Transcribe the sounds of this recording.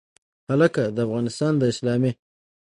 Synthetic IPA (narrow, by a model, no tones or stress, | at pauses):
haləkad̪əafɣɑnɪst̪ɑnd̪əɪslɑme